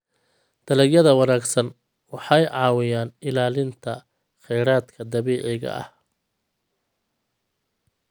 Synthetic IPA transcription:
d̪̥ɐlɛjɐðɐwɑnaːɡsɐn | wɑħɑjʕɑːwɪjaːnɪlaːlɪnt̪ʰɐ | χɛjɾaːd̪kʰɐd̪ɐβɛːʕɪɣɐ̰ʔɐ̰h

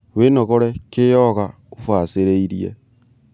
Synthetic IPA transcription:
wenɔɣɔɾɛkejɔɣa | ofwaseɾeiɾiɛ̰

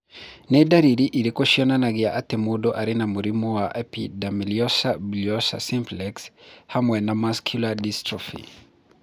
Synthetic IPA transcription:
nɛdaɾiɾiʔiɾikɔʃiɔnanaɡiaʔatɛmudɔʔaɾinamuɾimuwaʔɛpidamiliɔsabliɔsa̰simplɛkshamwɛnamaskʰjuladistɾɔfḭ

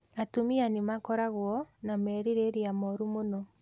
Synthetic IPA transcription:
atumianemakɔɾaɣwɔnamɛɾiɾeɾeamɔɾumonɔ

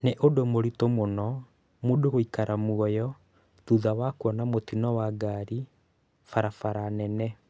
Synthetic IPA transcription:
neʔodomoɾitomonɔ | modoɣoikaɾamuɔjɔ | ðuðawakuɔnamotinɔwaɡaɾi | faɾafaɾanɛnɛ

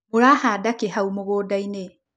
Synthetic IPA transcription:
oɾaːhaːdakeɦaumoɣoːdaine

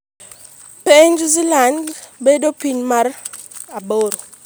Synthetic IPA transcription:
peɲd͡ʒzilandbedopiɲmar | aɓoɾo

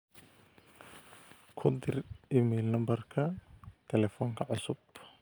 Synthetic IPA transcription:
kʰʊd̪ɪrɪmɛːlnɐmbɐrkʰɐt̪ʰɛlɛfɔːŋkʰɐʕʊsʊb

